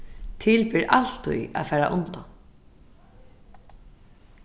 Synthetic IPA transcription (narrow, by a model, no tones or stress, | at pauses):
t̪ʰɪlpɪɾʔal̥t̪ʊ̰ja̰fɛːɾa̰ʔʊnt̪am